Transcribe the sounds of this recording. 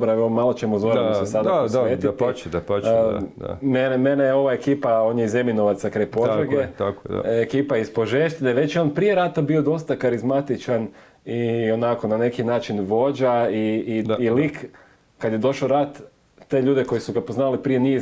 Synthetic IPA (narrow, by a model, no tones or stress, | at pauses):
bɾaomalˠo̞t͡ɕemozoɾsesad̪aeːit̪d̪apː | menemenejeo̞ʋae̞kiːpao̞ːnjeize̞minoʋat̪sakɾajpo̞d̪ɾaɡet̪akekiːpajispo̞ʒeʃt̪ineʋe̞t͡ɕjeonpɾije̞ɾaːt̪abio̞d̪o̞st̪akaɾizmat̪it͡ʃan | ionako̞nane̞kinaːt͡ʃinʋo̞d͡ʒaiːlik | kad̪je̞d̪o̞ʃaɾat̪ː | e̞ːʎuːd̪eko̞jisuɡapoznalipɾijeniz